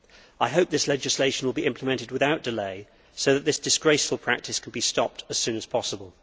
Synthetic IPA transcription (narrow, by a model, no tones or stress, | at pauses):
aɪɦəʊp̚ðɪslɛd͡ʒɪsleɪʃə̃n̩wəlˠbiʔɪ̃mpʰləmɛ̃ntɪd̚wɪðaʊʔ̚d̥ɨleɪ | səʊðət̪ʔ̪̚ðɪsd̥ɨsɡ̥ɹeɪsfəl̩ˠpʰɹ̥æk̚tɨskʰə̃n̩bistɒp̚tʰəz̥sʉ̃ːnəz̥pʰɒsəbəlˠ